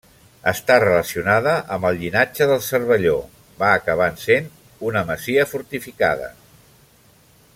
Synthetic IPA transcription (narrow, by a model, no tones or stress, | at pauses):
əst̪arələsiunaðəʔəmbəlˠʎinad͡ʒəðəlˠsərβəʎo | baːkəβ̞ansen | unəməziəfuɾt̪ifika̰ðə̰